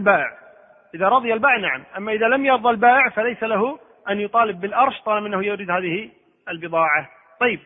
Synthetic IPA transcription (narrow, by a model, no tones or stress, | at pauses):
lbaːʔɪʕ | ʔɪðaɾˤɑðˤɨjalbaːɪʕnaʕamʔamːaʔɪðalamjɑɾðˤɑlbaːʔɪʕfalajsalaɦʊ | ʔanjʊt̪ˤɑːlɪbːɪlʔɑɾˤʃt̪ˤɑːlmʔɪnːahʊjʊɾɪd̪haːðɪhi | ɪlbɨðˤɑːʕa | t̪ˤɑjːɪb̚